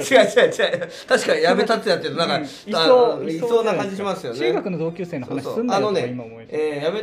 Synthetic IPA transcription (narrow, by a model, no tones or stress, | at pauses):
ad͡ʑad͡ʑa | t̪aɕi̥kaɲijame̞t̪at̪ejat̪ːeɾonãŋka | aoisoːnakãɲd͡ʑiɕimasɨjo̞t͡ɕniːɡakɯ̟no̞d̪o̞ːkʲɨ̟ːse̞ːnoanaɕioːsɨ̃ndaeno̞neimaoejame